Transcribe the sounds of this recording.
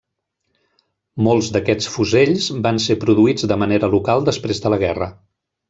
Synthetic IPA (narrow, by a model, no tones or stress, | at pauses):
molˠzðəkɛt͡sfuzeʎzbansepɾuðuid͡zd̪əməneɾəlukalˠd̪əspɾezðələɣ̞ɛrə